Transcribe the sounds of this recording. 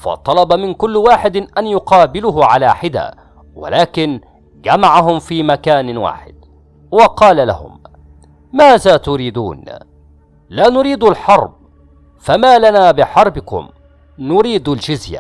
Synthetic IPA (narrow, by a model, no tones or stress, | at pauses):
fɑ̰t̪ˤɑlɑbamɪnkʊlːwaːħɪd̪ʔanjʊqɑːbɪlʊɦʊʕalaːħɪd̪a̰ː | wa̰laːkɪn | d͡ʒamaʕaɦʊmfiːmakaːnwa̰ːħɪ̰d̪̚ | wɑqɑːlala̰hʊ̰m | maːðaːt̪ʊɾiːd̪ṵːn | laːnʊɾiːd̪alħɑɾˤb̚ | famaːlanaːbɪħɑɾˤbɪkʊ̰m | nʊɾiːd̪ald͡ʒʊzja̰